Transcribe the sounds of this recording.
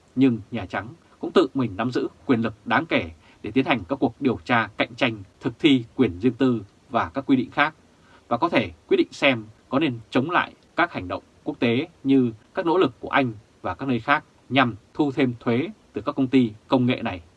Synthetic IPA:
ɲɨ˧ŋɲaː˨˩t͡ɕa˨˦ŋ | kʊ̰˧˥ŋ͡mt̪ɨ̰˧˨mï˨˩ŋ̟na˨˦mzɨ̰˧˥kwi˨˩ənlɨ˨˩k̚ɗaː˨˦ŋke˧˩ | ɗe˧˩t̪i˨˦ənha˨˩jŋ̟kaː˦˥kːu˨˩ək̚ɗi˨˩əwt͡ɕaː˧ka̰˧˨jŋ̟t͡ɕa˧jŋ̟t̪ʰɨ˨˩k̚t̪ʰi˧kwi˧˩ənzɨ˧əŋt̪ɨ˧ | vaː˨˩kaː˦˥kːwi˧ɗḭ˧˨ŋ̟xaː˦˥k̚ | vaː˨˩kɔ˨˦t̪ʰe˧˩kwi˦˥t̚ɗḭ˧˨ŋsɛ˧mkɔ˨˦ne˧nt͡ɕə˨˦wŋ͡mla̰ː˧˨j | kaː˦˥k̚ha˨˩ŋ̟ɗə̰˧˨wŋ͡mku˦˥ək̚t̪e˨˦ɲɨ˧kaː˦˥k̚no̰˧˥lɨ˨˩kːu˧˩əʔa˧jŋ̟ | vaː˨˩kaː˦˥k̚nəː˧jxaː˦˥k̚ | ɲa˨˩mt̪ʰu˧t̪ʰe˧mt̪ʰwe˨˦t̪ɨ˨˩kaː˦˥kːə˧wŋ͡mt̪i˧kə˧wŋ͡mŋḛ˧˨na˨˩j

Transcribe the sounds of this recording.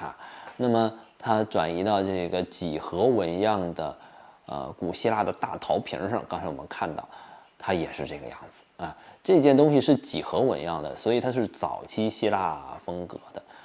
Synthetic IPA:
a̰˧˩na˥˩mə˩t̪ʰa˥ʈ͡ʂwa̰˨˩ni˧˥t̪ɑ˥˧ʊʈ͡ʂɤ˥˩ɡə˩t͡ɕi˨˩xɤ˧˥wə˧˥njɑ˥˩ŋd̪ə̰˩ə̰˧ku˨˩ɕi˥la˥˩d̪ə˩t̪a˥˩t̪ʰɑ˧˥ʊpʰḭ˧˥ʂɤ̰˥˧ŋkɑ˥ŋt͡sʰwɔ˨˩mə˦nkʰa˥˧nt̪ɑ˥˩ʊt̪ʰa˥jɛ˨˩ʂɻ̩˥˧ʈ͡ʂɤ˥˩ɡə̰˧jɑ̰˥˩ŋd͡zɹ̩˩ɐ˧ʈ͡ʂɤ˥˩i˥˩t͡ɕjɛ˥˩nt̪ʊ˥ŋɕi˨ʂɻ̩˥˩t͡ɕi˨˩xɤ˧˥wə̰˧˥njɑ˥˩ŋd̪ə̰˩swɔ˧˥i˨˩t̪ʰa˥ʂ̬ɻ̩˥˩t͡sɑ̰˨˩ʊt͡ɕʰi˥ɕi˥la˥˩fɤ˥ŋkɤ̰˧˥d̪ə˧

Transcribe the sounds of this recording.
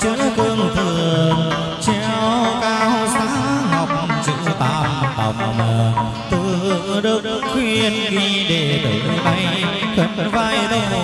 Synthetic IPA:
t͡ɕɨ˧˥t̪ɨ˧əŋt̪ʰɨ˨˩əəəŋ | t͡ɕɛ˧˩kaː˧˩hsaː˧˥˧ŋɔ˨˩wk͡p̚t͡ɕɨ̰˧˥t̪aː˧˩m˧ɓa̰˨˩wŋ͡mwməː˨˩ | t̪ɨ˧˩˨ɗɨ˨˩ək̚ | kwi˧˩˧ənki˧˩ɗe˨˩t̪ɨ˧˩˧t̪a˧jŋkʰə˨˧˩t̚vaː˧jɗ

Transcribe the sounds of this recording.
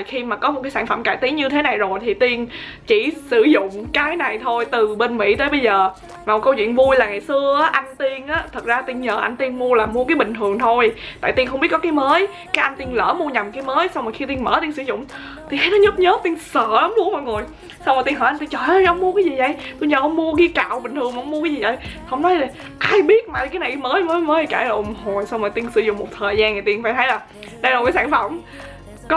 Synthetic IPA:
xi˧maː˨˩kɔ˨˦m̚˨˩kaː˨˦jsaː˧˩nfə̰˧˩mkaː˧˩˨jt̪i˨˦nɲɨ˧t̪ʰe˨˦na˨˩jzo˨˩jt̪ʰi˨˩t̪i˧ən | t͡ɕi˧˩sɨ˧˩zʊ̰˧˨ŋ͡mkaː˨˦jna˨˩jt̪ʰo˧jt̪ɨ˨˩ɓe˧nmḭ˧˥t̪əː˨˦jɓə˧jzəː˨˩ | vaː˨˩m˨˩t̚kə˧wt͡ɕwḭ˧˨nvu˧jlaː˨˩ŋa˨˩jsɨ˧əʔaː˨˦ʔa˧jŋ̟t̪i˧ənʔaː˨˦t̪ʰə˨˩t̚zaː˧t̪i˧nɲəː˨˩ʔa˧jŋ̟t̪i˧nmu˧əlaː˨˩mu˧əkaː˨˦jɓï˨˩ŋ̟ʰɨ˨˩əŋt̪ʰo˧jt̪a̰ː˧˨jt̪i˧nxə˧ŋ͡mɓi˦˥t̚kɔ˨˦kaː˨˦jməː˨˦j | kaː˨˦jʔa˧ŋ̟t̪i˧nləː˧˩mu˧əɲa˨˩mkaː˨˦jməː˨˦jsa˧wŋ͡mɔː˨˩jxi˧t̪i˧nməː˧˦t̪i˧nsɨ̰˧˩˦zʊ̰˧˨ŋ͡m | t̪ʰi˧˩haː˨˦jnɔ˨˦ɲə˦˥p̚ɲəː˨˦˥p̚t̪i˧əŋsəː˧˩la˨˦mmu˧əmɔ̰˧˨ŋo˨˩j | sa˧wmaː˨˩t̪i˧nhɔː˧˩ʔt̪i˧nt͡ɕəː˧˩jhə˧˦wŋ͡mmu˧əkaː˨˦jzi˨˩zə̰˧˩˨jt̪u˧ɲəː˨˩hə˧˦wŋ͡mmu˧əki˧t͡ɕa̰ː˧˨wɓï˨˩ŋ̟t̪ɨ˨˩əŋmː˨ə˧˦ŋ͡mmu˧kaː˨˦zi˨˩zə̰˧˨˩jhə˧˩wŋ͡mnɔ˨˦jzə˨˩ | ʔaː˧jɓi˦˥ət̚maː˨kaː˨˦na˨˩jkməː˨˦jməː˨˦jməː˨˦˨kaː˧˩jla˨˩ʔʊ˨˩ŋ͡mho˨˩jsa˧wmaː˨˩t̪i˧ənsɨ˧˦zʊ̰˧˨ŋ͡mmo˨˩t̚t̪ʰəː˨˩jzaː˧nŋa˨˩t̪i˧ənfaː˧jt̪ʰa˨˦jlaː˨˩ | ɗə˧jlo˨˩kaː˨˦jsaː˧˩nfə˧˩mŋ͡m | kɔ˦

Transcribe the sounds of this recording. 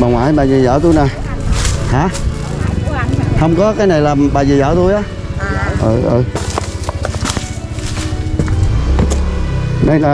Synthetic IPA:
ɓaː˨˩ŋwa̰ː˧˨˦jɓaː˨˩zi˨˩zɔ̰ː˧˩˦t̪u˧jnɔ˨˩j | haː˨˦ | hə˧wŋ͡mkɔ˨˦kaː˨˦jna˨˩jlaː˨˩mɓaː˨˩zi˨˩zɔ̰ː˧˦t̪u˧jʔaː˨˦ | ʔəː˨˩ʔəː˧˩ | mə˨˦jla˧˨

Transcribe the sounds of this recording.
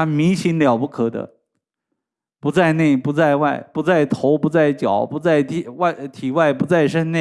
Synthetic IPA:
a˥mi˧˥ŋɕi˧˥nljɑ˨˩ʊpu˥˩kʰɤ˨˩d̪ə̰˦ | pu˧˥t͡sa˥˧ɪne˥˩ɪpu˧˥t͡sa˥˧ɪwa˥˩ɪpu˧˥t͡sa˥˩ɪt̪ʰo˧˥ʊpu˧˥t͡sa˥˩ɪt͡ɕjɑ˨˩˦ʊpu˧˥t͡sa˥˩ɪt̪ʰi˧˩wa˥˧ɪt̪ʰi˨˩wa˥˩ɪpu˧˥t͡sa˥˩ɪʂə˥nne˥˩

